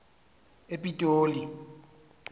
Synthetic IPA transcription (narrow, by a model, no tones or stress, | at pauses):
epʼitʼoːli